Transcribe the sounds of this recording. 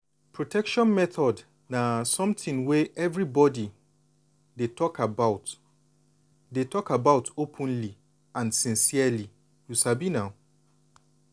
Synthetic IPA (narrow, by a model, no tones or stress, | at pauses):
pʰɹotʰɛkʃɔ̃nmɛθɔd | nasɔ̃mtĩnweʔɛvɹibɔdi | detʰɔkʰabaʊt | detɔkabaʊtopʰə̃nli | ãnsĩnsiali | jusabinaʊ